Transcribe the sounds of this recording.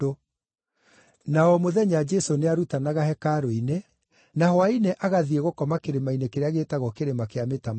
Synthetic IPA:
o | naɔmoðɛɲad͡ʒɛsoneaɾutanaɣahɛkaɾoine | nahwaineʔaɣaðieɣokɔmakeɾemainekeɾeaɣeːtaɣɔkeɾemakeametam

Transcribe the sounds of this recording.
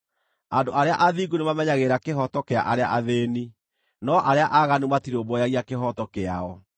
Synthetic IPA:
andoʔaɾeaʔaðiːɡunemamɛɲaɣeɾakeɦɔtɔkea̰ʔaɾea̰ʔaðeni | nɔʔaɾeaʔaɣanumatiɾobɔjaɣiakeɦɔtɔkeaɔ

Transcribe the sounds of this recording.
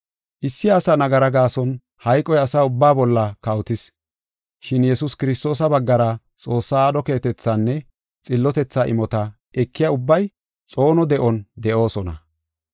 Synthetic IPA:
ʔɪsːɪɐsɐnɐɡɐɾɐɡaːsɔn | hɐjkʼɔjɐsaːʊbːaːbɔlːɐkɐwt̪ɪs | ʃɪnjɛsʊskɪɾɪst̪o̞ːs̬ɐbɐɡːɐɾɐ | t͡sʼo̞ːsːaːaːd̪ɔke̞ːt̪ɛt͡sːanːɛ | t͡sʼɪlːɔt̪ɛt͡sːaʔɪ̰mɔt̪ɐ | ɛkʰːɪjɐʊbːɐj | t͡sʼo̞ːnɔd̪ɛʔɔnd̪ɛʔo̞ːsɔnɐ̰

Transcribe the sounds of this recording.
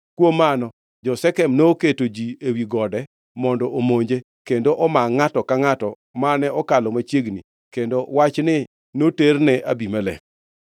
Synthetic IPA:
kwomːanɔ | d͡ʒɔsɛkɛmnoketod͡ʒiewiɡɔdɛ | mɔndɔʔomoɲd͡ʒe | kendoʔɔmaŋatɔkaŋatɔ | manɛɔkalɔmat͡ʃjeɡni | kendowat͡ʃnɪ | noternɛʔabimalɛ̰k

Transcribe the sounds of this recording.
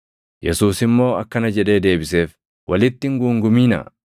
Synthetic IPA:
jɛsuːsɪmːo̞ːɐkːɐnɐd͡ʒɛᶑe̞ːd̪e̞ːbɪse̞ːf | wʔɐlɪt̪ːɪŋɡuːŋɡʊmiːnɐ̰

